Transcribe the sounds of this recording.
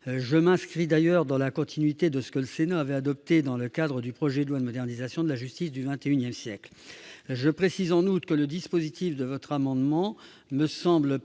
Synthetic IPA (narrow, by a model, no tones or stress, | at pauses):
ʒəmɛ̃skχid̪ajœʁd̪ɑ̃lakɔ̃t̪ʰinɥit̪ed̪əsə̥kələsenaavɛad̪ɔp̚t̪ed̪ɑ̃ləkʲad̪ʁəd̪ypχɔʒɛd̪əlwad̪əmɔd̪ɛʁnizasjɔ̃d̪əlaʒyst̪isd̪yvɛ̃t̪eynjɛmsjɛkl | ʒəpχesizɑ̃nut̪kələd̪ispozit̪ifd̪əvɔt̪χamɑ̃d̪mɑ̃ | məsɑ̃bl